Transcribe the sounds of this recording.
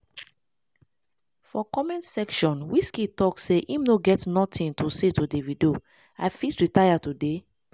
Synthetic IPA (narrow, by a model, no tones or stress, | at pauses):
fɔkɔmɛ̃nsɛkʃɔ̃nwiskitɔkseʔimnoɡɛtnɔtʰĩntusetudevido | aɪfitɹitajatude